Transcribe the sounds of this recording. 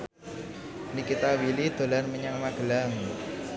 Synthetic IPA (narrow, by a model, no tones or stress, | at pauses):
nikit̪awilid̪̥o̤lanməɲaŋmaɡ̥ə̤laŋ